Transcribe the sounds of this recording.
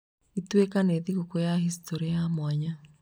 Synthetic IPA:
itwekaneːðiɣukojahistoɾiamwaɲa

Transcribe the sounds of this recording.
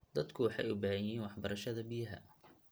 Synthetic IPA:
d̪ɐd̪kʰʊwɑħɑ̰jʊbaːhɐjiːnwɑħbɐɾɐʃɐðɐbɪjɦɐ̰

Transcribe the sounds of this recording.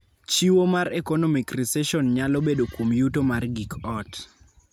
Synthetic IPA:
t͡ʃiwomaɾɛkɔnɔmikrisɛʃɔnɲalɔbedokwomjutomarɡikɔt

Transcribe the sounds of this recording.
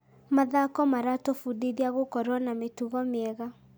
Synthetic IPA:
maðakɔmaɾatofudiðiaɣokɔɾwɔnametuɣɔmeɛɣa

